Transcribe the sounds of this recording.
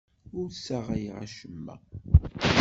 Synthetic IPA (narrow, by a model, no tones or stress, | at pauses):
ʊɾsæʁæjʁa̰ʃəmːæ̰